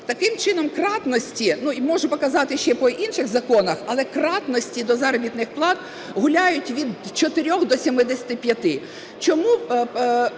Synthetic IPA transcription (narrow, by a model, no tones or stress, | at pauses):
t̪ɐkɪmt͡ʃɪnɔmkrɑt̪nɔsʲtʲinuimɔʒʊpɔkɐzɑt̪ɪʃt͡ʃɛpɔʔinʃɪxzɐkɔnɐxɐlˠɛkɾɑt̪nɔsʲtʲid̪ɔzɑɾɔbʲit̪nɪxplˠɑd̪ | ɦʊlʲajʊtʲʋʲid̪t͡ʃɔt̪ɪɾʲɔxd̪ɔsʲimɪd̪esʲɐt̪ɪpʲjɐt̪ɪ | t͡ʃɔmu